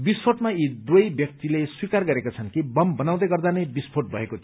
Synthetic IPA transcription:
bispʰoʈmaid̪wojbjʌk̚t̪ileswikarɡʌɾekot͡sʰʌnkibʌmbʌnaw̃d̪ʌjɡʌrd̪anʌjbispʰoʈ̚bʱʌɦekot̪ʰi

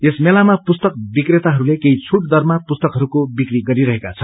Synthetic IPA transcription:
esmelamapust̪ʌk̚bikret̪aɦʌɾulekeɦit͡sʰuʈ̚d̪ʌrmapust̪ʌkɦʌɾukobikriɡʌɾiɾʌɦekat͡sʰʌ

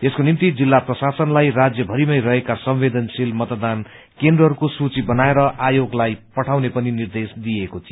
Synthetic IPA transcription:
eskonimt̪id͡zilːaprʌsasʌnlajrad͡zjʌbʱʌɾimʌjrʌɦekasʌmwed̪ʌnsilmʌt̪d̪an | kend̪rʌɦʌɾukosut͡sibʌnaeɾʌʔajoɡlajpʌʈʰawnepʌninird̪esd̪ijekot͡s̪ʰi

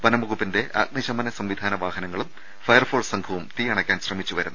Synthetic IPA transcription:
pɐnɐmɐɣupːinde̞ʔa̰ːk̚niɕɐmɐnɐsɐmʋid̪ʱaːnɐʋaːɦɐnɐŋːɐɭum | fɐjɐrfoːrsɐŋkʰɐʋumt̪ijɐːɳɐkʲːaːnɕrɐmit͡ɕːuʋɐɾunː

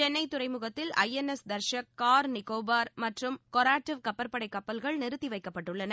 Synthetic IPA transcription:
t͡ʃɛnːɐɪt̪ːʊɾɐɪmʊɣɐt̪ːɪlɐ̰jɛnɛsd̪ɐɾʃɐkkːaːɾnɪkoːbaːɾmɐʈrɯmkɔɾaːʈːɪʋkɐpːɐɾpɐɽɐɪkːɐpːɐlɣɐɭnɪɾɯt̪ːiʋɐɪkːɐpːɐʈːɯɭːɐnɐ

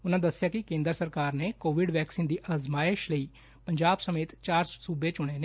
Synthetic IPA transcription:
ʊnãːd̪əsːɪjaːkɪkẽːnd̪əɾsəɾkaːɾneːkoːʋɪɖʋɛːksiːnd̪iːʔəzmaːɪʃləiː | pəɲd͡ʒaːbsəmeːt̪t͡ʃaːɾssuːbeːt͡ʃʊɽ̃eːne

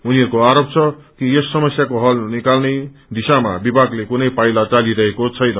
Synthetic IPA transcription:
uniɦʌɾukoaɾop̚t͡sʰʌkijesːʌmʌsjakoɦʌlnikalned̪isamabibʱaɡlekunʌjpajlat͡saliɾʌɦekot͡sʰʌjnʌ

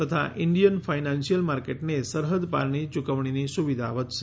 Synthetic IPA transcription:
t̪ət̪ʰa̰ʔɪɳɖijənfainansijəlmaɾkeʈnesəɾɦəd̪pa̰ɾɳ̃it͡ʃukəʋɳinisuʋid̪ʱaʋət̪ʃe̥

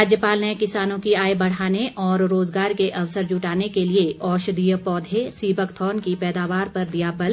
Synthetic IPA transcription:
aːd͡ʒjəpaːlnekɪsaːnõkiaːebɐɽ̤aːneʔɔːɾːoːzɡaːɾkeʔɐʋsəɾd͡ʒʊʈaːnekelieʔɔːʃd̪ijəpɔːd̪ʱesiːbəkt̪ʰɔːnkipɛːd̪aːʋaːɾpɐɾd̪ijabɐl

